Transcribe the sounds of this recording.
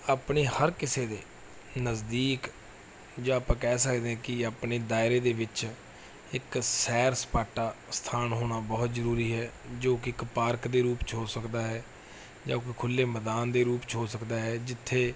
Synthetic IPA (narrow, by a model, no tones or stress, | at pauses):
aːpɳeːhəɾkɪseːd̪eː | nəzd̪iːk | d͡ʒãːaːpãːkɛːsəkd̪eːɛ̃ːkɪaːpneːd̪aːɪɾeːd̪eːʋɪt͡ʃ | ɪksɛːɾsə̥paːʈaːst̪ʰaːnɦoːɽaːbɔːt̪zəɾuːɾiːɦɛːd͡ʒoːkɪɪkpaːɾkd̪eːɾuːpt͡ʃʰoːsəkd̪aːɦɛː | d͡ʒaːkɪkʰʊlːeːməd̪aːnd̪eːɾuːpt͡ʃʰoːsəkd̪aːɦɛːd͡ʒɪt̪ʰːeː